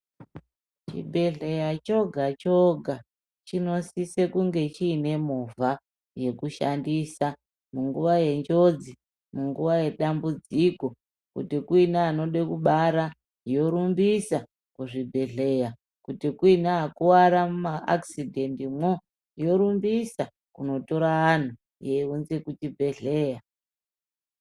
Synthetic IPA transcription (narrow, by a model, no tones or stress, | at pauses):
t͡ʃḭbʱe̞ɮe̞jat͡ʃo̞ɡʱat͡ʃoɡʱa | t͡ʃino̞sise̞kuŋɡe̞t͡ʃiːne̞muva | je̞kuʃandisa | muŋɡuʋaje̞nd͡ʒo̞d͡zi | muŋɡuʋaje̞ɗambud͡ziko | kṵtikuinaːno̞ɗekuɓaɾa | jo̞ɾumbisa | kuʐibʱe̞ɮe̞ja | kutikuinaːkuwaɾamaʔa̰ksidʱe̞ndimwo | jo̞ɾumbisa | kuno̞to̞ɾaːn̤u | jeunzekutibʱe̞ɮe̞ːja